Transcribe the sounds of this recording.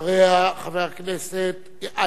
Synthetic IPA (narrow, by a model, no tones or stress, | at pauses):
ʁeaχaveʁkneset̪ | ʔa